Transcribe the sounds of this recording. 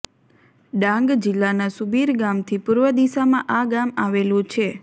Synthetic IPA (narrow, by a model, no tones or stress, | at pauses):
ɖãŋɡd͡ʒɪlːanasubiɾɡamt̪ʰipuɾʋəd̪isamãʔaɡamaʋelũt͡ʃʰe